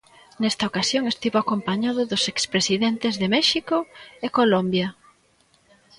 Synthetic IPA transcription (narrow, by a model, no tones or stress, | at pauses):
nɛst̪ɐokasjoŋest̪iβoakompaɲaðʊðʊsekspɾesiðent̪ezðemɛʃikʊekolombjɐ